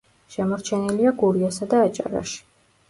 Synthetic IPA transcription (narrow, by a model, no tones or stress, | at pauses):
ʃɛmɔɾt͡ʃʰɛniliaɡuɾiasad̪aːt͡ʃʼa̰ɾa̰ʃi̥